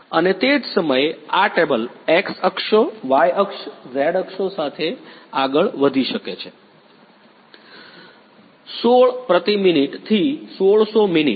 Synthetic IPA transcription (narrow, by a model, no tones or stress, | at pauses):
ənet̪ed͡ʒsəməjeaʈebəleksəkʃoʋajəkʃzeɽəkʃosat̪ʰeaɡəɭʋəd̪ʱiʃəket͡ʃʰe | soɭpɾət̪iminiʈt̪ʰisoɭsominḭ